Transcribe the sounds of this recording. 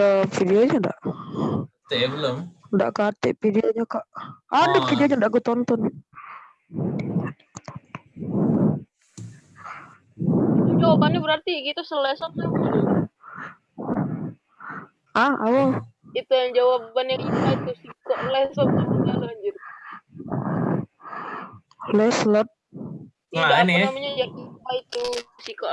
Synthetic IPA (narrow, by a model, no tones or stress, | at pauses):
əfidioɲada̰ʔ | t̪ebəlomnda̰ʔkaat̪ɪ̰ʔpidioɲakaʔanɛfidioɲandaʔkut̪ɔnt̪ɔn | d͡ʒawabanɛbəɾart̪iɡit̪usəlɛsɔn̚a | aa̰woit̪ujaŋd͡ʒawabbanjaŋikait̪usikɔʔlɛsləp̚daidalaɲd͡ʒʊr | lɛsləp̚ | aanaamaɲajaŋikait̪usikaʔ